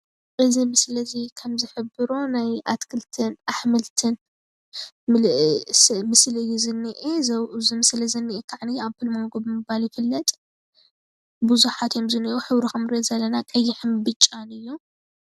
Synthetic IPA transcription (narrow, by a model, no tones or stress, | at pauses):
ʔɨzimɨsɨlɐzikʰɐmzɨħɨbɨɾonajʔa̰t̪kʰɨlt̪ʰɨnʔaħmɨlt̪ʰɨn | smɨslɨjːuzɨnːiʔezɐwʔuzɨmɨslɐzɨnːiʔekʰaʕniaβfɨlmɐŋɡobɨmɨβaljɪfɨlːɐt̪ʼ | buzuħat̪jo̞mzɨniʔuħɨβɾixɐmɾet̪zɐlːɐnakʼɐjːɪħɨmbɨt͡ʃʼːanɨjːu